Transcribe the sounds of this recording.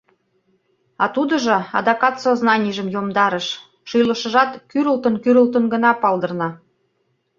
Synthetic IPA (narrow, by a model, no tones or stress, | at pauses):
ɑt̪ud̪ə̆ʒɤ̆ɑ̰d̪ɑkɑt̪soznɑnʲiʒə̆mjomd̪ɑɾə̆ʃ | ʃujlə̆ʃə̆ʒɑt̪kyɾəlt̪ənkyɾəlt̪ənɡə̆nɑpɑld̪ɤ̆rnɑ